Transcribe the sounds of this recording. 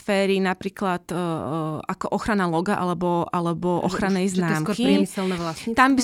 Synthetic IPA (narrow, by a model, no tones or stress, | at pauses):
fɛːɾinapɾiːklat̪ | akɔʔɔxɾanalɔɡaʔalɛbɔʔalɛbɔʔɔ̰xɾanɛjznaːmɔɾkiɛmisɛlnɛʋlat̪ambi